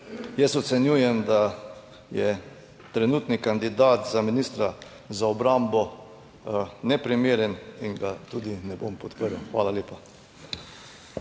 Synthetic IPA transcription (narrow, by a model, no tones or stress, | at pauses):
jɛsɔt̪sɛnjuːjɛmd̪a | jɛ | t̪ɾɛnuːt̪nikand̪id̪aːt̪zaminiːst̪ɾa | zaɔbɾambɔ | nɛpɾimeːɾɛniŋɡat̪ud̪inɛbompɔt̪pəɾawxʋaːlaleːpa